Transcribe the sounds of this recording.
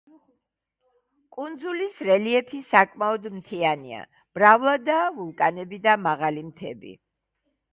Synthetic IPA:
kʼund̪zulisɾɛliɛpʰisakʼmaɔd̪mt̪ʰianḭa̰ | b̥ɾavlˠad̪avulˠkʼanɛbid̪amaʁalimt̪ʰɛ̰bḭ

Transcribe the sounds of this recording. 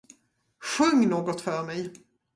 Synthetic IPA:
ɧɵŋːnoːɡɔt̪fœɾmɛj

